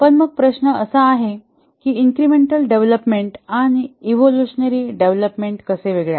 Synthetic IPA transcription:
pəɳməɡ̚pɾəɕnəəsəaɦe | kiːiŋkɾimeɳʈəlɖeʋləpmeɳʈañiiʋoluɕənəɾiːɖeʋləpmeɳʈkəseʋeɡɭeja̰

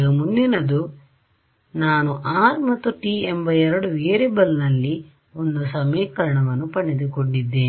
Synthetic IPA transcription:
ɡɐmundinɐd̪u | naːnuʔaːɾmɐt̪ːuʈiːembɐɛɾɐɽuʋeːɾebɐlnɐlːi | o̞nd̪usɐmeːkɐɾɐɳɐʋɐnːupɐɳed̪ukoɳɖid̪ːeː

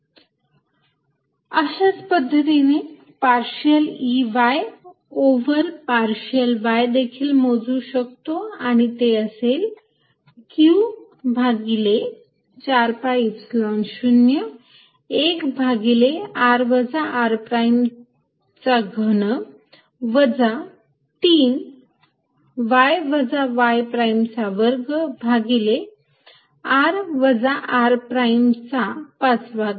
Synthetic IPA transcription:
əɕat͡spəd̪ʱːət̪ine | paɾɕəliʋaj | oʋəɾpaɾɕəlʋajd̪ekʰiːlmod͡zuːɕək̚t̪oaɽ̃it̪eəsel | ku | bʱaɡile | t͡ɕaɾpaipslɔnɕunjə | ekbʱaɡileaɾʋəd͡zaʔaɾpɾajm | t͡saɡʱənə | ʋəd͡za | t̪iːn | ʋajʋəd͡zaʋajpɾajmt͡saʋəɾɡəbʱaɡile | aɾʋəd͡zaʔaɾpɾajmt͡sapat͡sbʱaɡ

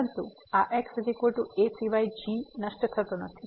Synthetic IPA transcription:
ənt̪u | aʔeksid̪ikoʈuesiʋajd͡ʒinəʃʈət̪ʰət̪onət̪ʰi

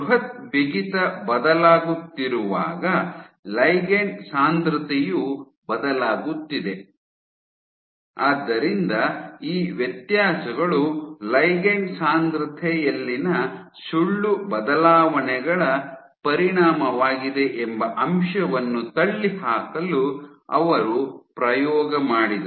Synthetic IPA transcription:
uɦɐt̪̚biɡit̪ɐbɐd̪ɐlaːɡut̪ːiɾuʋa̰ːɡɐlɐjɡensaːnd̪ɾɐt̪ʰɛju | bɐd̪ɐlaːɡut̪ːid̪e | aːd̪ːɐɾind̪ɐiːʋjɐt̪jaːsɐɡɐɭulɐjɡensaːnd̪ɾɐt̪ʰɛjɐlːinɐ | suɭːubɐd̪ɐlaːʋɐɳɛɡɐɭɐ | pɐɾiɳaːmɐʋaːɡid̪e̞ʔembɐʔɐmʃɐʋɐnːut̪ɐɭːihaːkɐluɐ̰ʋɐɾupɾɐjɔːɡɐmaːɽid̪ɐ

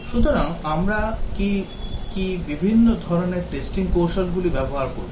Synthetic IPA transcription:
ʃut̪oɾaŋamɾaki | kibibʱinːod̪ʱɔɾoneɾʈesʈiŋkowʃalɡulibɛboɦaɾkoɾb

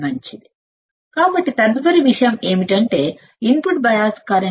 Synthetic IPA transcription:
mɐɲt͡ʃid̪i | kaːbɐʈːit̪ɐnd̪ʋɐɾiʋiʂɐjɐmeːmiʈɐɳʈe̞ː | impuʈ̚bɐjaːskaːɾɐ

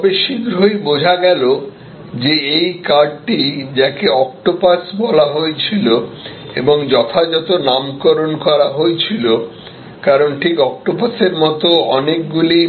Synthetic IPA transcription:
ɔbeʃiɡɾʱojbod͡ʑʱaɡɛlo | d͡ʑeejkaɖʈid͡ʑakeɔk̚ʈopasbɔlaɦoet͡ɕʰilo | ḛboŋd͡ʑɔt̪ʰad͡ʑɔt̪onamkoɾonkɔɾaɦojt͡ɕʰilo | kaɾonʈʰikɔk̚ʈopaseɾmɔt̪oɔnek̚ɡuli

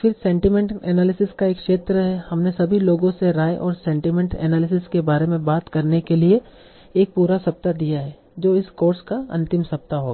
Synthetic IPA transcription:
fɪɾsɛ̃ːɳʈimɛ̃ɳʈɛːnaːlɪsɪskaeːkʃeːt̪ɾəɦɛhɐmnesɐbʱiloːɡõseɾaːjʔɔːɾsɛ̃ːɳʈimɛ̃ɳʈɛ̰ːnaːlɪsɪskebaːɾemẽbaːt̪kɐɾnekelie | eːk̚puːɾasɐp̚t̪ad̪ijaɦɛː | d͡ʒoːɪskoːɾskaɐ̰̃nt̪ɪmsɐp̚t̪aɦoːɡaaː

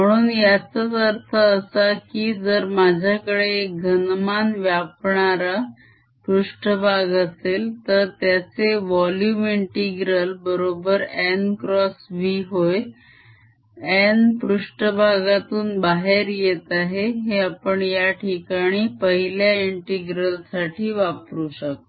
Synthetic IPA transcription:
m̤əɽ̃uːnjat͡sət͡səɾt̪ʰəːsakiːd͡zəɾmad͡ʑʱakəɽeɡʱənmanʋjapɳaɾa | pɾuʂʈəbʱaɡəselt̪əɾt̪jat͡seʋɔljumiɳʈiɡɾəlbəɾobəɾɛnkɾɔsʋiɦoj | ɛnpɾuʂʈəbʱaɡat̪uːnbaɦeɾjet̪aɦeɦeapəɳjaʈʰikaɽ̃iːpəɦiljaiɳʈiɡɾəlsaʈʰiːʋapɾuːɕək̚t̪

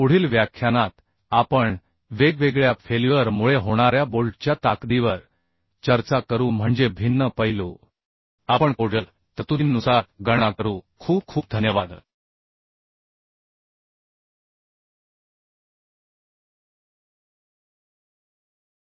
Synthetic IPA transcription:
uɽ̤iːlʋjakʰjanat̪ | apəɳ | ʋeɡʋeɡɭjafʰeliʋəɾmuɭeɦoɽ̃aɾjabolʈt͡ɕjat̪akd̪iʋəɾ | t͡ɕəɾt͡sakəɾuːm̤əɳd͡zebʱinːəpəjlo | apəɳkoɖəl | t̪ət̪uinːusaɾɡəɽ̃akəɾuːkʰuːp̚kʰuːp̚d̪ʱənjəʋad̪

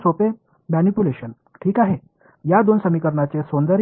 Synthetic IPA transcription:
sope | mænipuleɕən | ʈʰiːkaɦe | jad̪onsəmikəɾɳat͡sesond̪əɾ

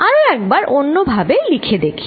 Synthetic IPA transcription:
aɾoɛk̚baɾʔonːobʱabelikʰed̪ekʰi̥

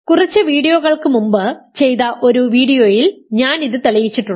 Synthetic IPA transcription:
kurit͡ɕːɨʋiːɽijoːɣɐɭkɨmumbɨt͡ɕe̞jt̪ɐʔo̞ɾuʋiːɽijoːjilɲaːniðɨt̪ɐɭɐjit͡ɕːiʈːuːɐ

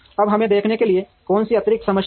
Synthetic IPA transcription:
ɐbɦɐmẽd̪eːkʰnekelie | kɔːnsiɐt̪ɾɪksɐməʃ

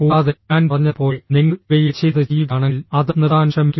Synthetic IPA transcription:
oːaːðɐaːnpɐrɐɲːɐpːo̞ːniŋːɐɭʋejit͡ɕeðɐd͡ʑiːʋkaːɳɐlɐðɐniraːnɕɐmikʲː

